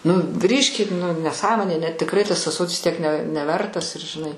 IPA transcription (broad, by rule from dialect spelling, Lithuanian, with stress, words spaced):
nʊ ˈɡrʲiːʃʲkʲɪt nʊ nʲɛˈsɑːmoːnʲeː nʲɛ tʲɪkˈrɐɪ tɐs ɑːˈsoːtʲɪs tʲiɛk nʲɛ nʲɛˈʋʲɛrtɐs ɪr ʒʲɪˈnɐɪ